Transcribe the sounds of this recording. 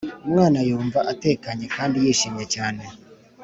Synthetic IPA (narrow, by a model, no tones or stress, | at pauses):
mŋaːnajoːɱvaʔatɛːkaɲɛkaːndijeʃimjɛt͡ʃaːnɛ